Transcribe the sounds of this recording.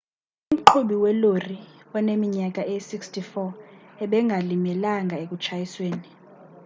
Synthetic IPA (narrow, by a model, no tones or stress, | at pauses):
um̩ǃʰuɓiwɛloriɔnemiɲak̬ʼaʔesikstʰifɔɛɓɛŋɡʱalimɛlaŋɡʱaek̬ʼut͡ʃʰajisweːni